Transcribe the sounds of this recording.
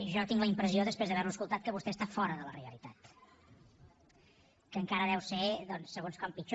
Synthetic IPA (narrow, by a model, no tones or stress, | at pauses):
ʒɔt̪iŋɡləimpɾəzioðəspɾezðəβɛɾnuəskulˠt̪at̪̚kəβust̪ɛst̪afɔɾəðələreəlit̪at̪ | kəŋkaɾəðɛwseðɔnsːəɣonskɔmpit͡ʃ